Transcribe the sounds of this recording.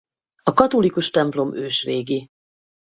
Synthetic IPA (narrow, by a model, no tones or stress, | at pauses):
ɒkɒt̪o̞likuʃt̪ɛmplo̞møːʃreːɡi